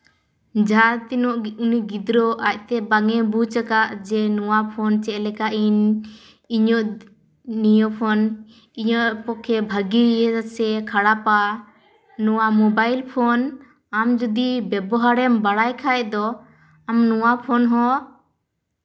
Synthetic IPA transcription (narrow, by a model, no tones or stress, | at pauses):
d͡ʒʱaɾt̪inɔʔuniɡid̪ɾɔʔac̚t̪ɛbaŋɛbut͡ʃəkaʔd͡ʒɛnɔwapʰɔnt͡ʃɛʔlɛkaʔin | iɲɔʔ | nijɔpʰɔn | iɲɔʔ̚pɔkʰɛbʱəɡiɛsɛkʰaɽapa | nuwamɔbajlpʰɔn | amd͡ʒɔd̪ibɛbɔɦaɾɛmbaɽajkʰaɛd̪ɔ | amnɔwapʰɔnɦɔ̃